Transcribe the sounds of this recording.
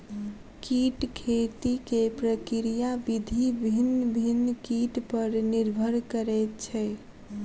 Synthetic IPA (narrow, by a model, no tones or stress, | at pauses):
kiʈkʰet̪ikepɾəkiɾijabid̪ʱibʱinːəbʱinːkiʈpəɾniɾbʱəɾkəɾɛt̪̚t͡ʃʰɛ